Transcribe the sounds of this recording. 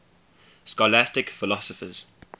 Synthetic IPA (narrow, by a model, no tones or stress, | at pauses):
skɔlastɪkfɪlɔsɔfə̰z̥